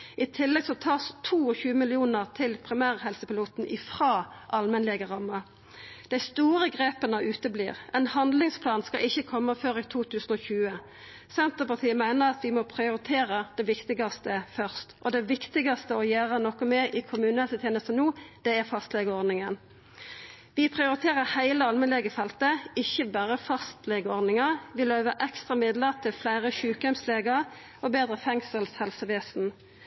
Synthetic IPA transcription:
ʔɪt̪ʰɪlːɛɡsɔt̪ʰɑːst̪ʰuːɔçʉːəmɪlɪuːnəʁt̪ʰɪlpʰʁɪmæːʁɦɛlsəpɪluːt̪n̩ʔɪfʁɑːʔɑlmɛnlɛːɡəʁɑmːə | d̪̥æɪst̪uːʁəɡʁeːpənəʔʉːt̪əblḭːʁɛɪnhɑnd̪lɪŋspʰlɑːnskɑʔɪçːəkʰɔmːəføːʁit̪ʰuːt̪ʰʉːsənɔçʉːə | sɛnt̪əʁpɑʁt̪ʰiːəmæɪnəʁɑt̪ʋɪmɔpʰʁɪʊʁɪt̪ʰeːʁəd̪̥ɛʋɪkt̪ɪɡɑst̪əfœʁst̪ʔɔd̪ɛʋɪkt̪ɪɡɑst̪əɔjæːʁənɔkːɔmɛʔɪkʰʊmʉːnəəsət̪ʰjeːnəst̪ənuːd̪̥ɛæʁfɑst̪lɛɡəɔʁd̪nɪŋən | ʋɪpʰʁɪʊɾɪt̪ʰeːʁəhæɪləɑlmənlɛɡəfɛlt̪əɪçəbæːʁəfɑst̪lɛɡəɔʁd̪nɪŋɑʋɪløːʋəʔɛkst̪ʁɑmɪd̪ləʁt̪ʰɪlflæɪʁəçʉːkœmsleːɡəʁ | ɔbeːd̪ʁəfɛŋsəlshɛlsəʋeːsn̩

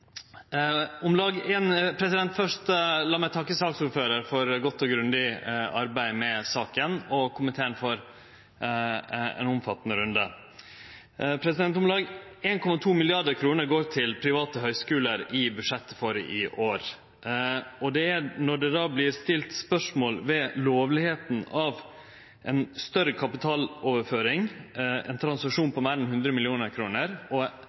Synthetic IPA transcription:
ʊmlɑːɡɛːnpʰɾɛsɪd̪ɛnt̪fœʂtlɑːmæɪt̪ʰɑkːəsɑːksuːɾføːɾəɾfɔɾɡɔt̪ːɔɡɾʉnd̪ɪɑɾbæɪmɛsɑːkənɔkʰʊmənt̪ʰeːəɳfɔɾ | ɛ̰nʊmfɑt̪ːənəɾʉnd̪ə | pʰɾɛsɪd̪ɛnt̪ʊmlɑːɡeːnkʰɔmɑt̪ʰuːmɪlɪɑɖəɾkʰɾuːnəɾɡoːɾt̪ʰɪlpʰɾɪʋɑːt̪əɦœʏskʉːləɾɪbʉʂɛt̪ːəfoːɾəʔɪʔoːɾ | ɔd̪ɛænɔɖɛd̪ɑːblɪɾst̪ɪlt̪spœʂmoːlʋɛloːʋlɪheːt̪n̩ɑʋ | ʔɛnst̪œɾəkʰɑpɪt̪ʰɑːloːʋəɾføːɾɪŋɛ̰nt̪ʰɾɑnsɑkʂuːnpʰɔmeːɾɛnhʉnd̪ɾəmɪlɪuːnəɾkʰɾuːnəɾɔ

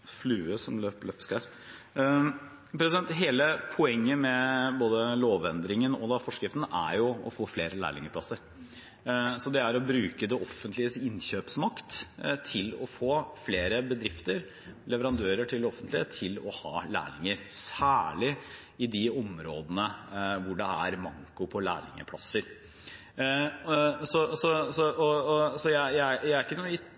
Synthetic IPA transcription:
flʉːəsɔmløːplœpskɑ | pɾɛsɪd̪ɛnt̪ɦeːləpʰɔɛŋːəmɛboːd̪əloːʋɛnd̪ɾɪŋənɔ̰d̪ɑfɔʂkɾɪft̪n̩ʔæ̰ɾjʊɔ̰foːfleːɾəlæ̰ːɭɪ̰ŋəpʰlɑsəɾ | sɔd̪ɛæɾɔbɾʉːkəd̪ɛʔɔfːənt̪ʰlɪəsɪnçøːpsmɑkt̪t̪ʰɪlɔfoːfleːɾəbəd̪ɾɪft̪əɾ | lɛʋəɾɑnd̪øːɾəʈʰɪld̪ɛɔfːənt̪lɪət̪ʰɪlɔhɑ̰ːlæ̰ːɾɪŋəɾsæːɭɪ | ɪd̪ɪɔmɾo̰ːd̪ənəʋʊɖɛæɾmɑ̰ŋkʊpʰɔlæ̰ːlɪ̰ŋə̰pʰlɑ̰sːəɾ | sɔsɔsɔɔɔsɔjæjææjæɪæɾɪkːənuːɪ

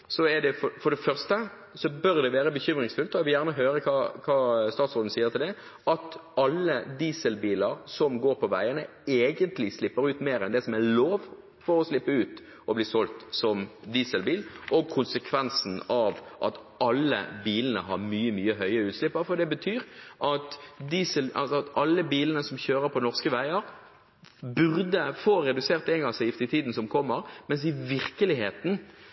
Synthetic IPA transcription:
sɔɛɖ̪ɛfɔfɔɖɛfœʁst̪ə | sɔbœɾd̪ɛʋeːɾəbəçʏmʁɪŋsfʉlt̪ɔɛʋɪljæʁnəɦøːɾəkʰɑːkʰɑːst̪ɑːt̪sɔːd̪n̩siːət̪ɪld̪ɛ | ɑt̪ɑlːəd̪iːsəlbiːləɾsɔmɡoːɾpʰɔʋæɪənə | eːɡənt̪lɪslɪpːəɾʉːt̪meːɾɛnd̪ɛsɔmæloːʋ | fɔɾɔslɪpːəʉːt̪ | ʔɔbliːsɔlt̪sɔmd̪iːsəlbiːlʔɔɡ̚kʰʊnsəkʰʋɛnsn̩ɑʋʔɑ̰t̪ | ɑlːə̰biːlənə̰ɦɑɾmyːəmyːəɦœʏəɾəʉːt̪slɪpːəɾfɔd̪ɛbət̪ʰyːɾʔɑt̪d̪iːsəlɑ̰lsɔɑt̪ɑlːəbiːlənəsɔmçøːɾəɾpʰɔnɔʁskəʋæɪəɾ | bʉʁd̪əfoːʁɛd̪ʉseːʁt̪ɛŋɡɑsjɪft̪ɪt̪ʰiːd̪n̩sɔmkʰɔmːəɾmɛns̬ɪʋɪɾkəlɪheːt̪n̩

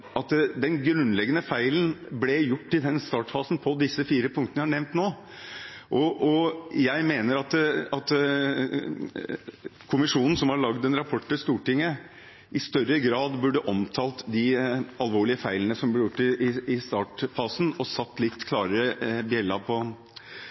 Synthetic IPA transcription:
ɑt̪d̪ɛnɡɾʉnlɛɡːənəfæɪln̩blɛjʊʈːɪd̪ɛnst̪ɑːʈfɑːsn̩pʰɔd̪ɪsːəfiːɾəpʰʊŋkt̪nəhɑɳɛʋnt̪noː | ʔɔʔɔjæɪmeːnəɾɑt̪ɑt̪ | kʰʊmɪʂuːnn̩sɔmhɑɭɑɡd̪ɛnɾɑpʰɔʈːəst̪uːʈɪŋːə | ʔɪst̪œɾəɡɾɑːd̪bʉɖːəʔɔmt̪ʰɑːlt̪d̪ɪɑlʋoːɭɪəfæɪlənəsɔmblɛɾjʊʈːɪɪɪst̪ɑːʈfɑːsn̩ɔsɑt̪ːlɪt̪ːkʰlɑːɾəɾəbjɛlːɑpʰɔ

